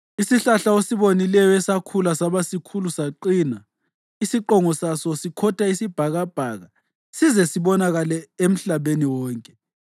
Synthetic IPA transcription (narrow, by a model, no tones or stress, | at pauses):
isiɬaɬaosiβonilɛjɔɛsakʰulasaβasikʰulusaǃina | isiǃɔŋɔsasɔsikʰɔtʰʼaisib̥ʱaɣab̥ʱaːɣa | sizɛsiβɔnaɣalɛem̩ɬaβeniwɔːŋkʼɛ̥